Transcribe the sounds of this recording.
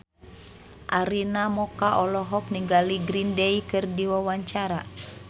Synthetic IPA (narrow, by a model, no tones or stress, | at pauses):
ʔaɾinamɔkaʔɔlɔɦɔk̚niŋɡaliɡɾindeikɨrdiwawaɲt͡ʃaɾa